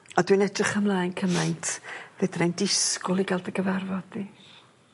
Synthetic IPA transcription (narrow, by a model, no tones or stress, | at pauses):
ɔdwinɛdrɪχəmlˠaːjnkʰəmajntʰvɛdnajndɪskʊlˠiɡalˠdəɡəvarvɔdði